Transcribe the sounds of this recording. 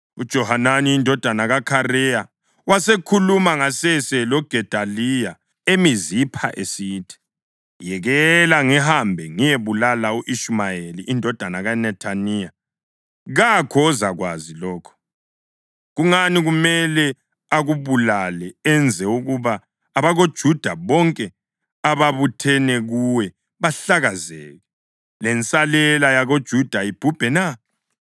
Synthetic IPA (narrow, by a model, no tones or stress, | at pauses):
ud̥ʒ̥ʱɔhananiindʱɔd̥ʱanaɣakʰarɛja | wasekʰulumaŋasɛsɛlɔɡ̥ʱɛd̥ʱalija | emizipʰa̰ʔḛsitʰi̥ | jɛɣɛlaŋiɦambʱɛŋijeβulalauʔiʃmajeliʔːndʱɔd̥ʱanaɣanɛtʰanija | ɣakʰɔːzaɣwa̰zilɔːkʰɔ̥ | ɣuŋaniɣumɛlɛ | aɣuβulalɛɛnd͡zʱɛuɣuβaː | βaɣod̥ʒ̥ʱud̥ʱaβɔŋkʼɛ | aβaβutʰɛnɛɣuwɛ | βaɬaɣazɛ̰ːɣɛ | lɛnt͡sʼalɛlajaɣod̥ʒ̥ʱud̥ʱaib̥ʱub̥ʱɛna